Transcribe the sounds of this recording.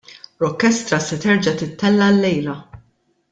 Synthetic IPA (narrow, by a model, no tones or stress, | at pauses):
ɾɔkːɛst̪ɾɐsɛt̪ɛɾd͡ʒɐt̪ɪt̪ːɛlːɐlːɛjlɐ